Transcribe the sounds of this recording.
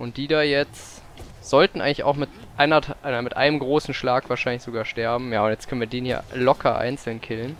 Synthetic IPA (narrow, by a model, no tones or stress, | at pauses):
ʔʊnt̚d̥iːdaːjɛt͡st | z̥ɔltn̩a̰ɪŋlɪça̰ʊxmɪtʔaɪnɐʔaɪnɐmɪtʔa̰ɪnəmɡʁoːsn̩ʃlaːkv̥aːɐʃaɪnlɪçz̥oɡaːɐʃtɛɐbm̩jaːʊntjɛt͡stkœnviɐdeːnhiːɐlɔkʰɐʔa̰ɪnt͡sl̩nkʰɪlən